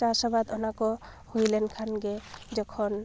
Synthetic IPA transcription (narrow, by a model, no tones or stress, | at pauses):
asabad̪ɔnakɔ | hujlɛnkʰanɡɛd͡ʒɔkʰɔn